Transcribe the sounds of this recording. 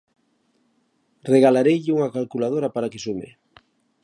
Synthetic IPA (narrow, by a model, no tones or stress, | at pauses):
reɣalaɾejʎɪuŋakalkulað̞oɾapaɾakesumḛ